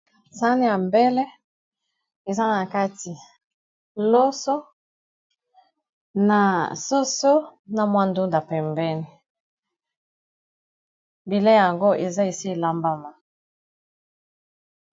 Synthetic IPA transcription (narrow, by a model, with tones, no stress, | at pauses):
sa˦ni˦ja˨mbɛ˦lɛ˦ | e˨za˦na˨ka˦ti˨ | lo˦so˦ | na˨so˦so˦na˨mwa˦ndu˦nda˨pɛ˨mbɛ˦ni˨ | bi˨lɛ˦ja˨ŋɡo˦ʔe˨za˦e˨si˦e˨la˦mba˦ma˨